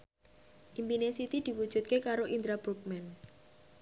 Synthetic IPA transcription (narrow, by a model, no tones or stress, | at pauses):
ʔimpinesit̪id̪̥i̤wud̥ʒ̥ṳt̪̚kekaɾoʔind̪ɾab̥ɾuk̚mɛn